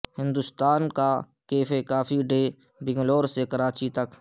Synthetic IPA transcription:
hɪ̃nd̪ʊst̪aːnka | keːfekaːfiɖeː | bɪ̃ŋɡloːɾsekɐɾaːt͡ʃit̪ɐk

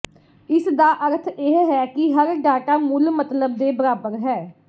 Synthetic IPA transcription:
ɪsd̪aːʔəɾt̪ʰeɦɦɛːkɪɦəɾɖaːʈaːmʊlmət̪ləb̚d̪eːbəɾaːbəɾɦɛː

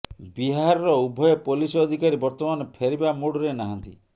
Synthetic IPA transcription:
biɦaaɾɔɾɔubʱɔjɔpolisɔd̪ʱikaɾibɔɾt̪ɔmanɔpʰeɾibamuɽɔɾenaɦant̪ḭ

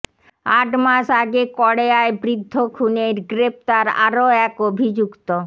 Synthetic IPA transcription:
aʈmaʃaɡekɔɽeaebɾid̪ʱːokʰuneɾɡɾep̚t̪aɾa̰ɾoɛkobʱid͡ʑukt̪o

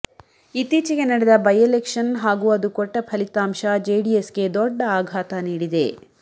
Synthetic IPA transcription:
it̪iːt͡ʃiɡe̞nɐɽed̪ɐbɐjelekʂɐnɦaːɡuːɐd̪ukɔʈːɐpʰɐlit̪aːmʃɐd͡ʒejɖiesɡe̞d̪ɔɖːɐaːɡʱaːt̪ɐniːɽid̪e̞̰

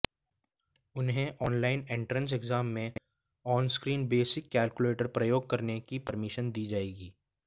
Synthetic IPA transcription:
ʊnɦẽʔɔːnlaːɪnẽɳʈɾə̃ns̬ɛɡzaːmːẽ | ɔːnskɾiːnbeːsɪkːɛːlkʊleːʈəɾpɾɐjoːɡ̚kɐɾnekipɐɾmɪʃənd̪iːd͡ʒaːeːɡiː

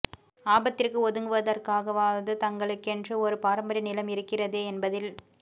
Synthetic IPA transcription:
aːbɐt̪ːɪrkɯɔðɯŋɡɯʋɐðɐrkaːɣɐʋaːʋɐðɯt̪ɐŋɡɐɭɯkːɛndrɯɔɾɯpaːɾɐmbɐɾɐnɪlɐmɪɾɯkːɪrɐðeːɛnbɐðɪl

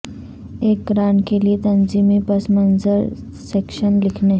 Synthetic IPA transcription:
eːkɡɾaːɳkeliet̪ɐnziːmipɐsmənzəɾ | sekʃənlɪkʰne

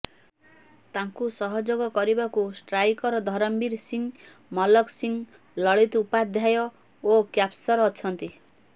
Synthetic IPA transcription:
t̪aŋkusɔɦɔd͡ʒoɡɔkɔɾibakusʈɾajkɔɾɔd̪ʱɔɾɔmbiɾsiŋ | mɔlɔksiŋ | lɔɭit̪upad̪ʱjajɔ | okjapsɔɾːt͡ʃʰɔnt̪i

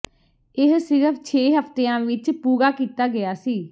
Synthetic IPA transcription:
ɪɦsɪɾəpʰt͡ʃʰeːɦəpt̪eːãːʋɪt͡ʃpuːɡaːkiːt̪aːɡɪjaːsiː

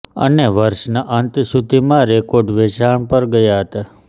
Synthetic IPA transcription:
ə̰neʋəɾʃnaʔant̪isud̪ʱimãɾekoɖʋet͡ʃaɳpəɾɡəjaɦət̪a

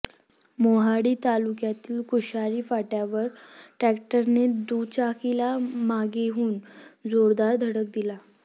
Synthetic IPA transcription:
moɦaɽiːt̪alukjat̪iːlkuɕaɾiːfaʈjaʋəɾʈɾɛkʈəɾned̪ut͡ɕakilamaɡeɦuːnd͡zoɾd̪aɾd̪ʱəɽək̚d̪ila

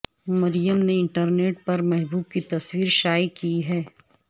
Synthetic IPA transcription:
mɐɾijəmneɪ̃ɳʈəɾneːʈ̚pɐɾmɛɦbuːb̚kit̪ɐswiːɾʃaːjikiɦɛː

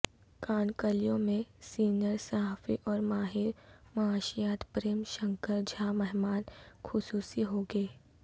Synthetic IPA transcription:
kaːnkəlijõmẽsiːnjəɾsɐɦaːfḭʔɔːɾmaːɦɪɾmɐaːʃijaːt̪pɾeːmʃə̃ŋkəɾd͡ʒʱaːmɛɦmaːnxʰʊsuːsiɦoːɡeː

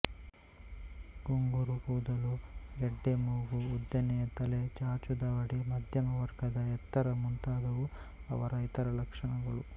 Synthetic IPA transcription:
ɡoŋɡuɾukuːd̪ɐlueɖːemuːɡuːd̪jɐnɛjɐt̪ɐlet͡ʃaːɾt͡ʃud̪aːʋɐɽimɐd̪ʱjɐmɐʋɐɾɡɐd̪ɐɛt̪ːɐɾɐmunt̪aːd̪ɐʋu | ɐ̰ʋɐɾɐit̪ɐɾɐlɐkʂɐɳɐɡɐɭu

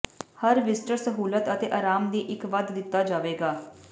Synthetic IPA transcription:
həɾʋɪsʈəɾsəɦuːlət̪ət̪eːʔaːɾaːmd̪iːʔɪkʋəd̪d̪ɪt̪ːaːd͡ʒaːʋeːɡaː

